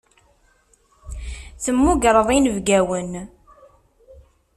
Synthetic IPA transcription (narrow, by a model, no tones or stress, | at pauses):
θəmːuɡɾˤəðˤinəvɡæwən